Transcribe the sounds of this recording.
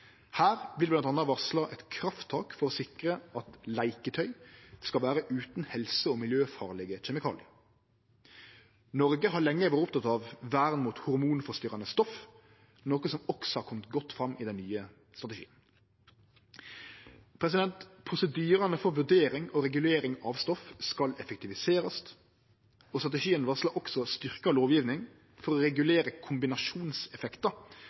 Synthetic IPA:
hæːʁblɪb̪ɑnt̪ɑnɑʋɑʁslɑʔɛt̪kʰɾɑft̪ʰːɑːkfɔɾɔsɪkʁəɑt̪læɪkət̪ʰœʏskɑlʋæːɾəʔʉːt̪n̩hɛlsəɔːmɪljøːfɑ̰ːʁlɛɡəçɛmɪkʰɑ̰ːlɪə | nɔɾɡəɦɑlɛŋːəʋæːɾəʊpt̪ʰɑt̪ɑʋːæːʁnmuːt̪hʊɾmuːnfɔst̪yːɾɑnəst̪ɔf | noːkəsɔmɔksɔhɑɾkʰɔmt̪ɡɔt̪ːfɾɑmːʔiːd̪ɛnnyːə | st̪ɾɑt̪ɛʃḭːən | pʰɾɛs̬ɪd̪ɛnt̪pʰɾʊsɛd̪yːɾɑnəfɔɾʋʉɖ̪eːɾɪŋoːɾɛɡʉleːɾɪŋɑʋst̪ɔfskɑlɛfək̚t̪ɪʋɪseːɾɑst̪ | ɔːst̪ɾɑt̪ɛʂiːənʋɑʁslɑʔɔksɔst̪ʏʁkɑloːʋjiːʋnɪŋ | fɔɾɔɾɛɡʉleːɾəkʰʊmbɪnɑʂuːnsɛfɛkt̪ə

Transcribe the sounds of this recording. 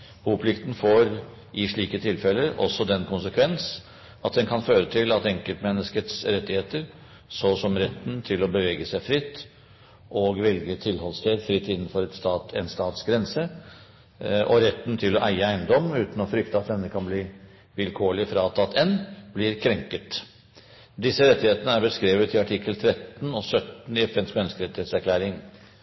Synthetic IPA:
huːpʰlɪkt̪n̩foːɾ | ʔɪʂɭiːkət̪ʰɪlfɛlːəɾɔ̰sːɔd̪ɛnkʰʊnsəkʰʋɛns | ɑt̪̚d̪ɛnkʰɑnføːɾət̪ʰɪlɑt̪ɛŋkəlt̪mɛnːəskət̪sɾɛt̪ːɪheːt̪əɾ | sɔsɔmɾɛt̪ːnt̪ʰɪlɔbəʋeːɡəsæɪfɾɪt̪ː | ʔɔɡʋɛlɡət̪ʰɪlhɔlst̪ʰeːd̪fɾɪt̪ːɪnːənfɔɾɛt̪st̪ɑːt̪ɛnst̪ɑːt̪sɡɾɛnsə | ʔɔɾɛt̪ːnt̪ʰɪlɔʔæɪəæɪnd̪ɔmʉːt̪n̩ɔfɾʏkt̪əɑt̪dɛnːəkʰɑnbliː | ʋɪlkʰoːɭɪfɾɑːt̪ʰɑt̪ʰːɛnblɪɾkʰɾɛŋkət̪ | d̪ɪsːəɾɛt̪ːɪheːt̪ənəæɾbəskɾeːʋət̪ʰɪɑʈʰɪkːəlt̪ʰɾɛt̪ːnɔsœt̪n̩ɪɛfɛnsmɛnːəskəɾɛt̪ːɪheːt̪sæɾklæːɾɪŋ

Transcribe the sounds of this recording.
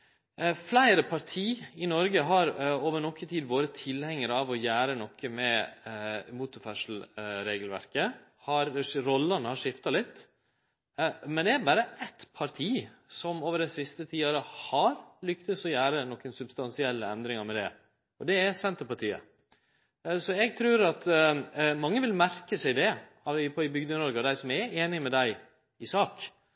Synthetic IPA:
flæɪɾəpʰɑɾt̪ʰiːɪnɔɾɡəɦɑɾoːʋəɾnɔkːət̪ʰiːd̪ʋoːɾət̪ʰɪlhɛŋːəɾɑʋɔjæːɾənɔkʰːəmɛ | muːt̪ʊɾfæʂl̩ɾeːɡəlʋæ̰ɾkə | hɑɾɾɔlːɑnəhɑʂɪft̪ɑlɪt̪ː | mɛnd̪ɛæɾbɑːɾəʔɛt̪pʰɑɾt̪ʰiːsɔmoːʋəɾɖɛsɪst̪ət̪ʰiːɑɾəhɑɾlʏkt̪əsɔjæːɾənɔkːənsʉbst̪ɑnsɪɛlːəɛnd̪ɾɪŋɑɾmɛd̪ɛ̰ | ɔd̪ɛæsɛnt̪əɾpɑɾʈ̪ʰiːə̰ | sɔɛɡ̚t̪ʰɾʉːɾɑt̪ | mɑŋːəʋɪlmæɾkəsæɪd̪ɛ | ɑɪpʰɔɪbʏɡd̪ənɔɾɡəd̪æɪsɔmæeːnɪmɛd̪æɪ | ɪsɑːk

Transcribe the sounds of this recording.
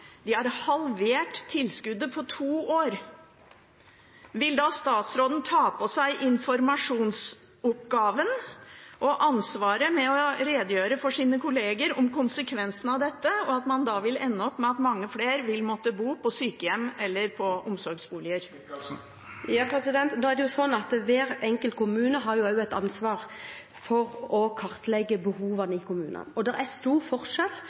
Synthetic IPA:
d̪̥ɪhæɾhɑlʋeːʈt̪ʰːɪlskʉd̪ːəpʰɔt̪ʰuːoːɾ | ʋɪld̪ɑst̪ɑːt̪sɾoːd̪n̩t̪ʰɑːpɔsæɪʔɪnfɔɾmɑʂuːns | ʊpɡɑːʋənʔɔʔɑnsʋɑːɾəmɛɔɾeːd̪jøːɾəfɔʂiːnəkʰʊleːɡəɾɔmkʊnsəkʰʋɛnsn̩ɑʋd̪ɛt̪ːəɔɑt̪mɑnd̪ɑʋɪlɛnːəɔpːmɛɑt̪mɑŋːəfleːɾʋɪlmɔt̪ːəbuːpʰɔsyːkəjɛmːɛlːəɾpʰɔʔʊmsɔɾɡsbuːlɪəɾ | jpɛsɪd̪ɛnt̪noːæɾd̪ɛjʊsɔnːɑt̪ʋæːɾɛŋkəlt̪̚kʊmʉːnəɦɑɾjʊɑʊɛɪt̪ɑnsʋɑːɾ | fɔɾɔkʰɑɾt̪lɛɡːəbəhuːʋɑnəɪkʰʊmʉ̰ːnə̰nɔd̪ɛɾæst̪uːɾfɔɾʂɛl

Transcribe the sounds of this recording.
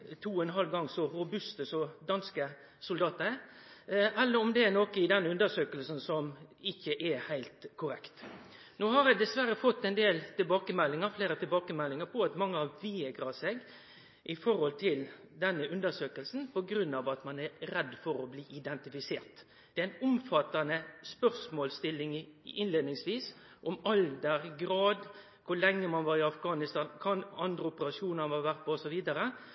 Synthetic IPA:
t̪ʰuːɔɛnɦɑlɡɑŋːsɔɾʊbʉst̪əsɔd̪ɑnskə | sʊld̪ɑːt̪ə | ɛlːəɾɔmd̪ɛɛnoːkəɪd̪ɛnːʉnd̪əʂøːkəlsn̩sɔmɪçːəʔɛhæɪlt̪kʰʊɾɛkt̪ | noːhɑɾæɪd̪ɛsʋæɾəfɔt̪ːɛnd̪eːlt̪ɪlbɑːkəmɛlːɪŋəɾfleːɾət̪ʰɪlbɑːkəmɛlːɪŋəpʰɔɑt̪mɑŋːəɑʋʋɪɛɡɾɑseɡ | ʔɪfɔɾhɔlt̪ʰɪl | d̪ɛnːəʉnd̪əsøːkəlsn̩pɔɡɾʉnːɑʋɑt̪mɑnæɾɛd̪ːfɔɾɔbliːʔɪd̪ɛnt̪ɪfɪsḛːɾt̪ | d̪̥ɛæɪnʊmfɑt̪ːɑnəspœʁsmoːlst̪ɪlːɪŋɪnleːd̪nɪŋsʋiːs | ʔɔmɑld̪əɾɡɾɑːd̪ | kʰʊlɛŋːəmɑnʋɑːɾɪɑfɡɑːnɪst̪ɑːnkʰɑnɑnd̪ɾəʊpəɾɑʂuːnəʋɑʋæɾt̪̚pʰɔɔsɔʋiːd̪əɾə

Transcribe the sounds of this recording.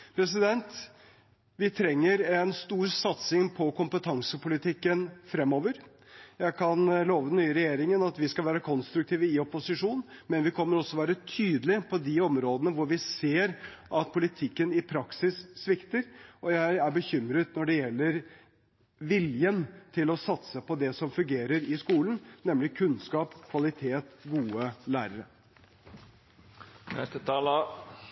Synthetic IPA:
pʰɾɛs̬ɪd̪ɛnt̪ | ʋɪt̪ʰɾɛŋːəɾɛnst̪uːɾsɑt̪sɪŋpʰɔkʰʊmpət̪ʰɑŋsəpʰʊlɪt̪ʰɪkːənfɾɛmːoːʋəɾ | jæɪkʰɑnloːʋəd̪ɛnːyːəɾɛjeːɾɪŋənɑt̪ʋɪskɑlʋæːɾəkʰɔnst̪ɾʉk̚t̪ʰiːʋəɪɔpʊsɪʂuːnmɛnʋɪkʰɔmːəɾɔsːɔʋæːɾət̪ʰyːd̪əlɪpʰɔd̪ɪɔmɾoːd̪ənəʋʊɾʋɪseːɾʔɑt̪̚pʰʊlɪt̪ʰɪkːənɪpʰɾɑksɪsːʋɪkt̪əɾɔjæɪæɾbəçʏmɾət̪nɔɖɛjɛlːəɾ | ʋɪljənt̪ʰɪlɔsɑt̪səpɔd̪ɛsɔmfʉŋɡeːɾəɾɪskuːlənnɛmlɪkʰʉnskɑːpkʰʋɑlɪt̪ʰeːt̪ɡuːəlæːɾəɾə | nɛ̰st̪ət̪ʰɑːlə

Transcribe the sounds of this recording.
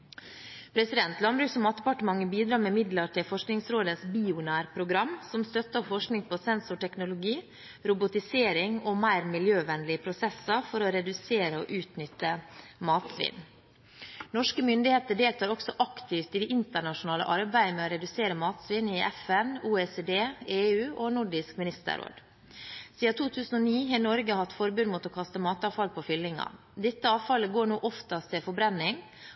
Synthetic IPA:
pʰɾɛsɪd̪ɛnt̪lɑnbɾʉːksɔmɑːt̪̚d̪ɛpɑʈəmɑŋːəbiːd̪ɾɑːmɛmɪd̪ləʈʰɪlfɔʂknɪŋsɾoːd̪əsbiːʊnæːɾpʰɾʊɡɾɑmsɔmst̪œt̪ːɔfɔʂknɪŋpʰɔsɛnsʊʈʰɛknʊlʊɡiː | ɾʊbʊt̪ɪseːɾɪŋɔmæɪɾmɪljøːʋɛnlɪəpʰɾʊsɛsəɾfɔɾɔɾɛd̪ʉseːɾəo̰ʔʉːt̪nʏt̪ːəmɑːt̪sʋɪ̰n | nɔʂkəmʏnd̪ɪheːt̪əɖeːlt̪ʰɑːɾɔksɔʔɑkt̪ʰɪft̪ɪd̪ɛʔɪnt̪əɳɑʂʊnɑːlə̰ʔɑɾbæɪmɛːoɾɛd̪ʉseːɾəmɑːt̪sʋɪnɪʔɛfɛnuːeːseːd̪eːeːʉːʔonʊɖɪskmɪnɪst̪ə̰ɾo̰ːd̪ | siːɑt̪ʰuːt̪ʰʉːsn̩ɔniːɦeːnɔɾɡəhɑt̪fɔɾbʉnd̪mʊt̪ɔkʰɑst̪əmɑːt̪ɑːʋfɑlpʰɔfʏlːɪŋɑ̰ | d̪ɛt̪ːəɑːʋfɑləɡoːɳuːʔɔft̪ɑst̪ʰɪlfɔbɾɛnːɪŋ

